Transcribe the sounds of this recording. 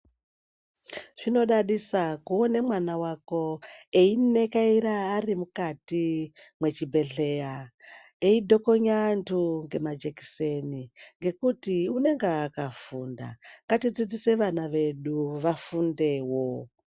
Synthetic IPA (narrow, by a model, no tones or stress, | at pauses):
ʐ̥ino̞ɗaɗisakuonemwanawako̞e̞ine̞kaiɾaːrimukatimwe̞t͡ʃibʱe̞ɬe̞ja | eidʱo̞ko̞ɲantuŋɡe̞mad͡ʒe̞ki̥seniŋɡe̞kutiune̞ŋɡeːkafuːnda̰ŋɡatid͡zid͡zise̞ʋanaʋe̞ɗuʋafunde̞wo